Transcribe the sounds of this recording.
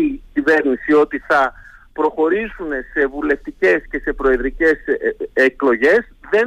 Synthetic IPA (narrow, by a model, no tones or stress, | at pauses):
icive̞ɾnisio̞t̪iθɐpɾo̞xo̞ɾisune̞se̞vule̞ft̪ice̞sce̞se̞pɾo̞eðɾice̞seklo̞ʝe̞sðe̞